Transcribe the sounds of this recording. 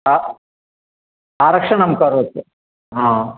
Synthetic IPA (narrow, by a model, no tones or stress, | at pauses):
a | aːɾɐkʂɐnɐmkaːɾuɐt̪ːe | ɦã